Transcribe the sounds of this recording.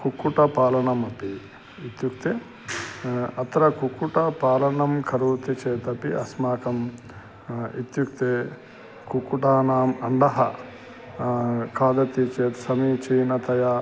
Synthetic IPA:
kukːuʈɐpaːlɐɳɐmɐpi | it̪juk̚t̪eː | ɐt̪ɾɐkukːuʈɐpaːlɐɳɐmkʰɐɾuːt̪it͡ʃeːt̪ɐpiɐsmaːkɐm | ḭt̪juk̚t̪eː | kukuʈaːnaːmɐɳɖɐɦɐ | kʰaːd̪ɐt̪it͡ʃeːt̪sɐmiːt͡ʃiːnɐt̪ɐja

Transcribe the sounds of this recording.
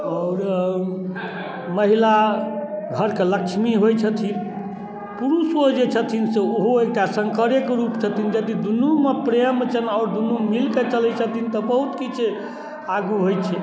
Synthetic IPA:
ɔːɾ | məɦila | ɡʱəɾkeləkʃmiɦojt͡ʃʰət̪ʰin | puɾuswod͡ʒet͡ʃʰət̪ʰinseoɦoek̚ʈasəŋkəɾekɾupt͡ʃʰət̪ʰind͡ʒəd̪id̪unumepɾemt͡ʃʰənɔʊɾd̪unumilket͡ʃəlɛt͡ʃʰət̪ʰint̪ɔbəɦut̪kit͡ʃʰe | aɡuɦojt͡ʃʰɛ

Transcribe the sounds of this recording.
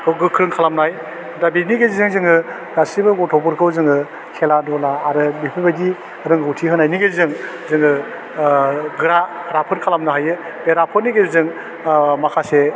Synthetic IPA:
kɯɡɯkʰːɯɾɯŋkʰalamnaaj | dabiniɡezizɯŋzɯŋɯ | ɡasibɯɡɔtʰɔbɔɾkʰɯwzɯŋɯ | kʰeladɔlaːɾɯbipʰibajdi | ɾɯŋɡɯwtʰiɦɯnajniɡezɯŋ | zɯŋɯ | ɡɯɾaɾapʰɯnkʰalamnaɦajɯ | beɾapʰɯniɡezɯŋ | makʰase

